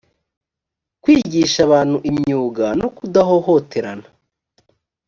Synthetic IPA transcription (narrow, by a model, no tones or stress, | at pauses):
kwiːɟiːʃaβaːn̥huʔimɲuːɡano̞kudaɦo̞ho̞tʰe̞ɾana